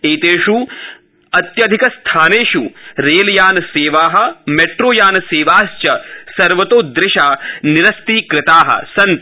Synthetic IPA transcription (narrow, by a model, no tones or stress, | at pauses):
eːt̪eːʃu | ɐt̪jɐd̪ʱikɐst̪ʰaːneːʃuɾeːljaːnɐseːʋaːɦɐ̆meʈɾoːjaːnɐseːʋaːst͡ʃɐsɐɾʋɐt̪oːd̪ɾɪʃaːniɾɐst̪iːkɾɪt̪aːɦɐ̰sɐnt̪